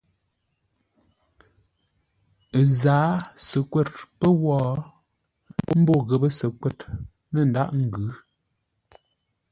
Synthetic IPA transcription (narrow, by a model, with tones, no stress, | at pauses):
zaː˨˦sə˨kwɛ˦˨t̚pə˦wɔː˦ | m̩˦bo˦˨ɣə˨bə˦sə˨kwɛ˦˨t | nə˨n̩˨da˦ʔŋ̩˦˨ɡʉ˨˦